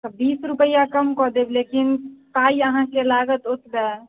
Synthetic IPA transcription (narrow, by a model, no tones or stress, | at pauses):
t̪ɔbisɾupəjakəmkɔd̪eblekinpaiəɦãkelaɡət̪ut̪be